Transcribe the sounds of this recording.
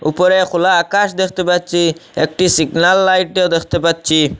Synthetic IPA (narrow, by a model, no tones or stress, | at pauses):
upɔɾekʰulaːkaʃd̪ekʰt̪epat̪̚t͡ʃʰiek̚ʈisiɡnalːajʈ̚ɖed̪ekʰt̪epat̪̚t͡ʃʰi